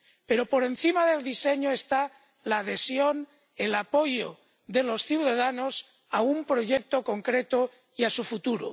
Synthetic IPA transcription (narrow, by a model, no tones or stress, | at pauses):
pe̞ɾo̞po̞ɾe̞n̟θimaðe̞ld̪iseɲoest̪a | laːð̞e̞sjo̞n | elapo̞jo | d̪e̞lo̞sθjuwðaðanos | aumpɾo̞ʝek̚t̪o̞ko̞ŋkɾet̪o | iasufut̪uɾo̰